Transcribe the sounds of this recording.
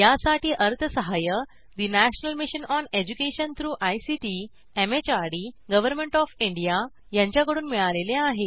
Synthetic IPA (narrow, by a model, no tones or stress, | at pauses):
jasaʈʰiːʔəɾt̪ʰəsəɦajə | d̪inæɕnəlmiɕənɔned͡ʑukeɕənt̪ʰɾuːʔajsiʈi | emet͡ɕaɽiɡəʋəɾmẽɳʈɔfiɳɖija | jãɲt͡ɕjakəɽuːnmiɭaleleaɦe